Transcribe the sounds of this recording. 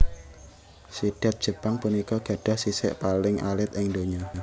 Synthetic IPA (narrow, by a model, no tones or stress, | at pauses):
siɖ̥a̤t̪̚d̥ʒ̥ə̤paŋpunikɔɡ̥ä̤ɖ̥a̤hsisɪ̰ʔpalɪŋʔa̰lɪt̪̚ɪŋd̪oɲɔ